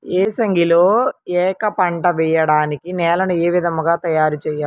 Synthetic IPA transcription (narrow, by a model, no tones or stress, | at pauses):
eːsɐŋɡʱiloːɛːkɐpɐɳʈɐʋɛjɐɽaːnikinɛːlɐnueːʋid̪ɐmɐɡaːt̪ɐjaːɾut͡ʃɛːjaː